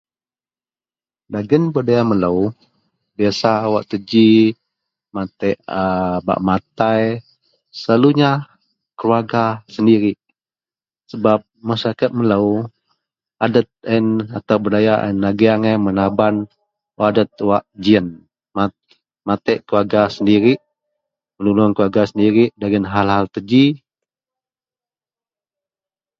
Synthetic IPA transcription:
daɡənbədajamələw | biasawaʔt̪əd͡ʒi | mat̪ɛʔəba̰ʔmat̪aj | səlaluɲa | kəluaɡasəndiɾi | səbap̚məsaakət̪̚mələw | adət̪̚ɛnat̪awbədajaʔə̰nːaɡiaŋamənaban | wadət̪̚waʔd͡ʒiən | ma | mat̪ɛʔkəluaɡasəndiɾiʔ | mənulaŋkəluaɡasəndiɾiʔdaɡənɦalɦalt̪əd͡ʒi

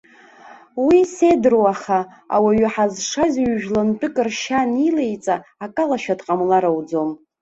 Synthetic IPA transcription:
wise̞drowaχa | a̰waɥaħazʂazʲɥʒᶣlanpʼɪkʼɨrʃanilejt͡sʼaːkʼalaʃᶣadqʼamlaɾawd͡zo̞m

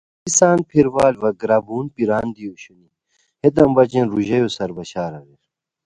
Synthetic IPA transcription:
isaːnpʰiɾwaːlʋɐɡɾaːbuːnpiɾaːnd̪ioɕuni | het̪̬ɐmbɐt͡ɕẽnɾuʑɐjosɐɾbɐɕaːɾɐliɾ

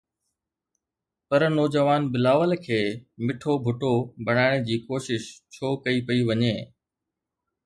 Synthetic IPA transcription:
pɐɾnɔːd͡ʑəʋaːnbɪlaːʋəlkʰeːmɪʈʰobʱʊʈobʱɐɽ̃aːɪɽ̃d͡ʑiːkoːʃɪʃt͡ɕʰoːkɐipɐiʋɐɲeː

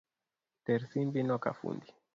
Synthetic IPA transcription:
t̪eɾsinbinoka̰fṵnd̪i

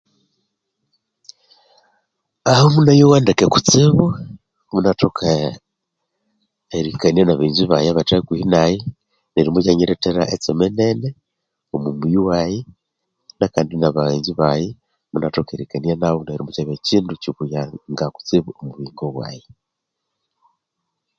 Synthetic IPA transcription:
ahomunajowandekeku̥t͡siβu | munatokʰa | eɾikanijanaβaiɲziβajaβatakuhinaji | neɾimucaɲeɾeteɾa̰ʔet͡semenene | omumujiwaje | nakaːndinaβaiɲziβaje | munatokeɾikanijanaβoneɾimucaβeciːnduciβujaŋɡaku̥t͡siβuomuβiːŋɡoβwa̰ːje

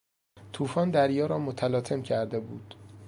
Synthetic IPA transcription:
t̪ʰuːfɒːnd̪æɾjɒːɾɒːmot̪ʰælɒːt̪ʰe̞mcʰæɾd̪e̞buːd̪̥

